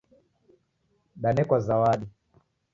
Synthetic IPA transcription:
ɗanɛkwazawaɗi

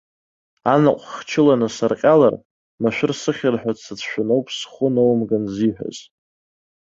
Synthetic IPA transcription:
anaqʷʼχt͡ʃʰɪlanasarqʲʼala̰r | maʃᶣʊrsɨχʲarħᶣat͡sʰɨt͡sʰʃᶣʊnowpʰsχʷʊnowmɡanziħʷᶣa̰z

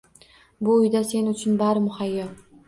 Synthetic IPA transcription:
bʊʊjd̪ase̞nʊt͡ʃʰʊnbaɾɪmʊhajːa

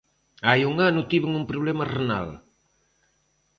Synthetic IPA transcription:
ajuŋanut̪iβəŋumpɾuβlɛmərena̰l

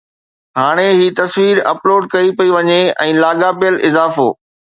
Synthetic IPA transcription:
ɦaːɽ̃eɦiːt̪ɐsʋiːɾɐ̰ploːɖ̚kɐipɐiʋɐɲeɛ̃ːlaːɠaːpijəlʔɪzaːfo̰ː

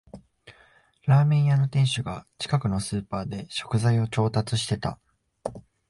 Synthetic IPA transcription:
ɾaːmẽ̞ɰ̃jano̞t̪ẽ̞ɰ̃ɕɨɡat͡ɕi̥kakɯ̟no̞sɨːpaːd̪e̞ɕo̞̥kɯ̟zaio̞t͡ɕo̞ːt̪at͡sɨɕi̥t̪e̞t̪a̰

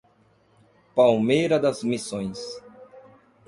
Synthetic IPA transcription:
pawmejɾɐd̪ɐzmisõj̃s

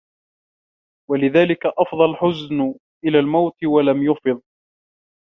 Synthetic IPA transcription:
walɪðaːlɪkaʔɑfd̪ˤɑlħʊzn | ʔɪlaːlmawt̪ɪwalamjʊfɨðˤ

